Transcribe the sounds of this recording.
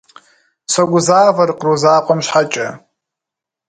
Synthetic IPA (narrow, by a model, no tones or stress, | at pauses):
sɐɡʷʊzaːvɐrqruzaːqʷʼɐmɕħat͡ʃʼɐ